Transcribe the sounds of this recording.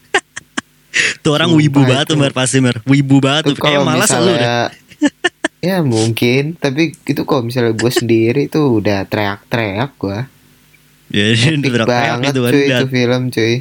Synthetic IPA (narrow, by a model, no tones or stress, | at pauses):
t̪uoɾaŋwibubaət̪ːumərpasimərwibubaŋət̪ukalaomamilasaluɛa | jamuŋkɪnt̪apiːt̪ukalomis̬alɲaɡuasəndiɾit̪uːdaht̪ɾeak̚t̪ɾeak̚ɡua | jaait̪ɾeabaaŋət̪̚kat͡ʃuidaufiləmt͡ʃu